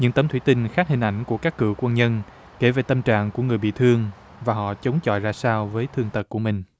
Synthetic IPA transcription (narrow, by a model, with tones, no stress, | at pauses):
ɲɨ̰˧˥ŋt̪ə˧mt̪ʰwi˧˩˦t̪ï˧ŋ̟xaː˦˥k̚hï˨˩ŋ̟ʔa˧˩jŋ̟ku˧˩əkaː˦˥kːɨ̰˧˩əkwə˧nɲə˧n | ke˧˩ve˨˩t̪ə˧mt͡ɕa̰ː˧˨ŋku˧˩əŋɨ˨˩əjɓḭ˧˨t̪ʰɨ˧əŋ | vaː˨˩ɦɔ̰˧˨t͡ɕə˨˦wŋ͡mt͡ɕɔ̰˧˨jzaː˧saː˧wvəː˨˦jt̪ʰɨ˧əŋt̪ə˨˩t̚kːu˧˩əmï˨˩ŋ̟